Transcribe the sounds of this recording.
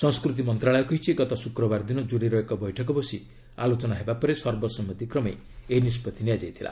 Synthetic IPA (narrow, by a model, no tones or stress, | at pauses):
sɔ̃ŋskɾut̪imɔnt̪ɾaɭɔjɔkɔɦit͡ʃʰiɡɔt̪ɔsukɾɔbaɾd̪inɔd͡ʒuɾiɾɔekɔbɔjʈʰɔk̬ɔbɔsi | a̰lot͡ʃɔnaɦebapɔɾesɔɾbɔsɔmɔt̪ikɾɔme | enispɔt̪ʰinijad͡ʒajt̪ʰila̰